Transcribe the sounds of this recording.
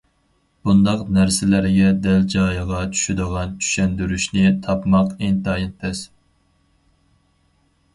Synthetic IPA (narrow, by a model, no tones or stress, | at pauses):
b̥und̪ɑqnæɾsɪlæɾɪɡʲɛd̪ɛld͡ʒɑːjəʁɑt͡ʃʰy̥ʃyd̪əʁɑnt͡ʃʰy̥ʃɛnd̪yɾyʃnɪt̪ʰɑpmɑqent̪ɑjint̪ʰɛs